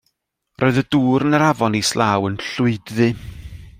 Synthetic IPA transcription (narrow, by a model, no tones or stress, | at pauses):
rʔoːɨðəduːɾənəɾavɔnislaːwənɬʊɨdðɨ